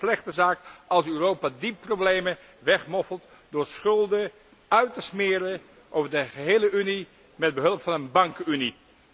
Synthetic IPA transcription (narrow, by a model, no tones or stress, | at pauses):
slɛχtəzaːkɑlˠsøːrowpaːdipːrowblejmə | ʋɛχmɔfəlˠt | dʊːɹsχɵlˠdə | œɥtəsmɪːɾə | ʔowvəɹdəχəɦejləʔyni | mɛd̚bəɦɵlˠəpfɑnənbɑŋkyni